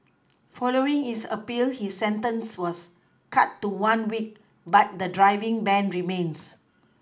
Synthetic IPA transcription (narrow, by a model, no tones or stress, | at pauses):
fɔloɪ̃ŋhisəpilhisːɛ̃ntə̃nswɔs | kʰatːuwãnwik̚ | bat̚dədɹaɪvĩŋbɛ̃nɹimẽns